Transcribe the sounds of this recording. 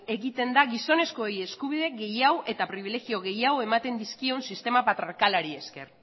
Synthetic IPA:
e̞ɣit̪e̞nd̪aɣiso̞ne̞sko̞eje̞skuβ̞ið̞e̞ɣe̞jawe̞t̪apɾiβ̞ile̞ɣio̞ɣ̞e̞jawemat̪e̞nd̪iskionsist̪e̞mapat̪ɾokalaɾie̞ske̞̰r

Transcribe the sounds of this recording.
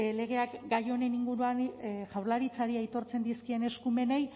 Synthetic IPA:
le̞ɣ̞e̞akɡajo̞ne̞niŋɡuɾuanʝawɾlaɾit͡saɾiajt̪o̞ɾt͡se̞nd̪iskie̞ne̞skume̞ne̞j

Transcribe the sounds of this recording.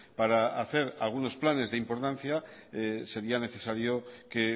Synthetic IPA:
paɾaaθe̞ɾalɣ̞uno̞splane̞zðeimpo̞ɾt̪an̟θjase̞ɾiane̞θe̞saɾjo̞ke

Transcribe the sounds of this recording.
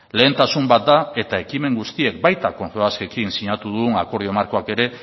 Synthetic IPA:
le̞ːnt̪asumbat̪̚d̪ae̞t̪ae̞kime̞ŋɡust̪ie̞k̚bajt̪ako̞nfeaske̞kinsiɲat̪uð̞uɣuŋako̞ɾð̞io̞maɾko̞ake̞ɾe̞

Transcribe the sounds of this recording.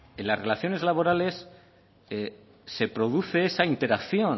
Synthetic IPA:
enlasre̞laθjo̞ne̞zlaβo̞ɾale̞s | se̞pɾo̞ðuθe̞esaint̪e̞ɾakθjo̞n

